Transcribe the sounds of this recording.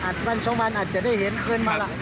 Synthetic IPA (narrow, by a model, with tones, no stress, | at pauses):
ʔaː˨˩t̪̚ma˧˩nsʰɔ˨˦ŋma˧nʔaː˨˩t̪̚t͡ɕa˨˩daː˥˩jhe˨˩˦nkʰɤː˧nmaː˧˩la˧˩